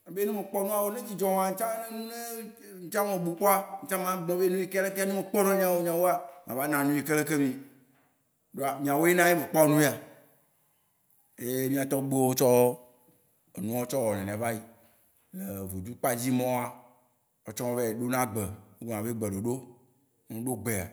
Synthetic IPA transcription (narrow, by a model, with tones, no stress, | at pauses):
a˨be˦nũ˦mẽ˨k͡pɔ˦nũ˦a˨wo˦nẽ˦d͡ʑi˦d͡ʒɔ˦m˨ã˨ŋ̩˦t͡ʃã˦ne˦nũ˦ne˦ | ŋ̩˦t͡ʃã˦mɔ̃˨bu˨k͡pɔ˦a˦ŋ̩˨˦t͡ʃã˦mã˦ɡ͡bɔ̃˦be˦nũ˦i˦ka˦le˦ke˦a˦nũ˦me˨k͡pɔ˦nɔ˦mĩ˦ã˨wo˦mĩ˦ã˨wo˦a˦m˨ã˨va˦nã˨nũ˦i˨ke˦le˦ke˦mĩ˨ | ɖo˨a˨mĩ˨ã˨wo˦je˦nã˦je˦mẽ˨k͡pa˦wo˦nũ˦e˦a˨ | e˨˦jmĩ˦a˨t̪ɔ˦ɡ͡be˦wo˦t͡ʃɔ˦w | e˨nũ˦a˦o˦t͡ʃɔ˦wɔ˨nɛ̃˨n˨va˦ji˦ | le˨vu˨d͡ʒ̪u˦k͡pa˦d͡ʑi˦mɔ̃˦a˨ | ɔ˨t͡ʃɔ˦mɔ̃˦be˨ɖo˦nã˦ɡ͡bɛ˨o˦ɡo˨nã˨be˦ɡ͡bɛ˨ɖo˨ɖo˦ | nũ˦ɖo˦ɡ͡be˨a̰˨